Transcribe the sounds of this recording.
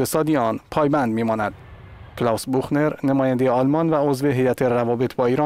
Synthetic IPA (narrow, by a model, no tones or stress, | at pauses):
esɒːd̪iːeɒːnpʰɒːjbænd̪miːmɒːnæd̪̥ | kʰlɒːwsbuxne̞ɾnemɒːjænd̪eeɒːlmɒːnvæozve̞ɦe̞jæt̪ʰerævɒːbet̪ʰbɒːiːɾɒː